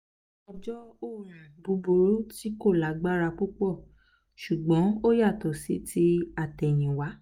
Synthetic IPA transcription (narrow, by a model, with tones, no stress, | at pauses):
ɔ˧d͡ʒɔ˦o˦˨ɾ̃ũ˨bu˨˦bu˧ɾo˦ti˨˦ko˦˨la˨˦ɡ͡ba˦ɾa˧k͡pu˦k͡pɔ˦˨ | ʃu˨ɡ͡bɔ̃˨˦o˦ja˦˨tɔ˨si˨˦ti˧a˨tɛ˨j̃ĩ˨wa˨˦